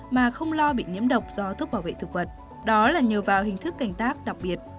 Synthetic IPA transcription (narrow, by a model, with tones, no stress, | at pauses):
maː˨˩xə˧wŋ͡mlɔ˧ɓḭ˧˨ɲḭ˧˥əmɗə˨˩wk͡p̚zɔ˧t̪ʰu˦˥k͡p̚ɓaː˧˩wvḛ˧˨t̪ɨ˨˩k̚və˨˩t̚ | ɗɔ˨˦laː˨˩ɲi˨˩əwvaː˨˩wɦï˨˩ŋ̟t̪ʰɨ˦˥kːa˧˩jŋ̟t̪aː˦˥k̚ɗa˨˩k̚ɓi˨˩ət̚